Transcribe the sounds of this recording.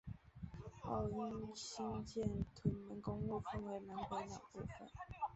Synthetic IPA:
ɑ˥˩ʊi˥ŋɕi˥ŋt͡ɕjɛ˥˨˩nt̪ʰwə˨˥nmə˧˥nkʊ˥ŋu˥˧fə˥˧nwe˧˥ɪna˧˥nkwa˧˥nlɑ˨˩pu˥˧fə̰˨˩n

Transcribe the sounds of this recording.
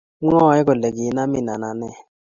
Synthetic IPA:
ŋɔ˦˨˦ɛ˦kɔ˨lɛ˨k̬i˨˦na˦mi˨na˨na˨nɛ˦˨

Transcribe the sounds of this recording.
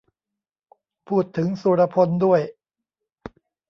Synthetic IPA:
pʰuː˥˩t̪ʰːɯ˩˦ŋsuː˨˦˩ɾa˧pʰo˧ndu˥˩əj

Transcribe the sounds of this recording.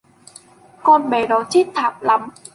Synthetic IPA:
kɔ˧nɓɛ˨˩ɗɔ˨˦t͡ɕʰi˦˥t̚t̪ʰaː˨˩p̚la˨˦m

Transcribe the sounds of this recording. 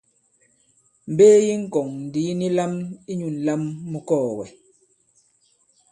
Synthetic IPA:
m̩˨beː˦ji˦ŋ̩˦kɔ˨ŋn̩˨diː˨˦ni˦la˦mi˦ɲu˨n̩˨la˦mːu˦kɔː˦˨wɛ˨

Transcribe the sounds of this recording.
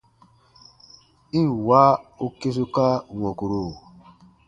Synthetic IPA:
i˦˨wa˦o˦ke˦s̬u˦ka˦˨ŋʷɔ̃˨ku˨ɾu˨

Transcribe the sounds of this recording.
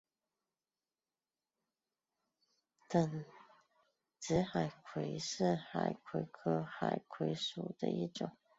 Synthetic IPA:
t̪ə˨˩ŋ | ʈ͡ʂ̩˧˥xa˨˩ɪkʰwe˧˥ɪʂɻ̩˥˩xa̰˨˩ɪkʰwe˧˥ɪkʰɤ˥xa̰˨˩ɪkʰwe˧˥ɪʂu˨˩d̪ə̰˧˦i˥˩ʈ͡ʂʊ̰˨˩˦ŋ

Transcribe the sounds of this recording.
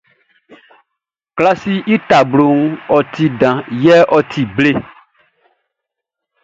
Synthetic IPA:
kla˦si˦ʔi˦t̪a˨blo˨ŋ̩˦ɔ˨t̪i˨ɖã˨jɛ˦ʔɔ˦t̪ʰi˨ble˦

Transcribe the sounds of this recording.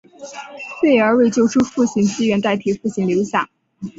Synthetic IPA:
fwe˥˩ɪə˞˧˥we˥˧ɪt͡ɕjo˥˧ʊʈ͡ʂʰu˥fu˥˩ɕi˧˥ŋt͡ɕi˥ɥɛ˧˥nt̪a˥˩ɪt̪ʰi˧˥fu˥˩ɕi˧˥ŋljo˧˥ʊɕjɑ˨˩˦ŋ

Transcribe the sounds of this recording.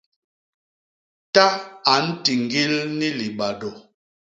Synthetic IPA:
ta˦a˨˦n̩˦ti˨ŋ˨ɡi˦lni˦li˨ɓa˨dɔ˨

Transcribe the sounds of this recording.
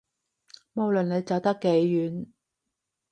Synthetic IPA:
mo˨˧wlɵ˨nne˨˧jt͡sɐ˨wt̪ɐ˥kːe˨˥jːyː˨˥n

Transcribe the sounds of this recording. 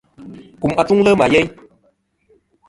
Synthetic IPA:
ku˨ma˧t͡su˦ŋlə˦ma˨je˦j

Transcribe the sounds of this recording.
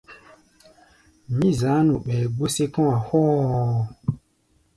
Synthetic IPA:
mĩ˦za˨˦nu˨ɓɛ˨ɡ͡bo˦se˦kɔ̃˦a˨hɔ˦˨

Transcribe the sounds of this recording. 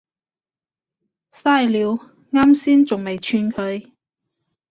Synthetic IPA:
saː˥jliː˨˧w | ŋaː˥msiː˥nt͡sʊ˨ŋme˨jt͡ʃʰyː˧nkʰɵ˨˧ɥ

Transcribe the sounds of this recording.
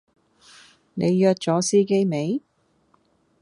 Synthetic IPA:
ne˨˧jjœː˧t̚t͡sɔː˨˥siː˥ke˥jme˨˧j

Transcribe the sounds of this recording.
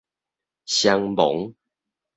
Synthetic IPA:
ɕja˦ŋbo̰˨˦ŋ

